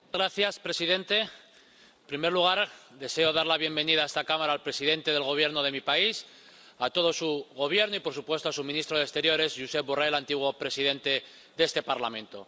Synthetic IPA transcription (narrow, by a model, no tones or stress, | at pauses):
ɣɾaθjaspɾe̞siðe̞nt̪e̞ | pɾimeɾluɣ̞aɾd̪e̞se̞o̞ðaɾlaβje̞mbe̞niðae̞st̪akamaɾaːlpɾe̞siðe̞nt̪e̞ðelɣ̞o̞β̞je̞ɾnoð̞e̞mipais | at̪o̞ðo̞suɣo̞β̞je̞ɾnoipo̞ɾsupwe̞st̪oasumĩnist̪ɾoðekst̪e̞ɾjo̞ɾe̞zʝuse̞p̚burajlant̪iɣwopɾe̞sið̞e̞nt̪e̞ | ðe̞st̪e̞paɾlamẽ̞nt̪o̞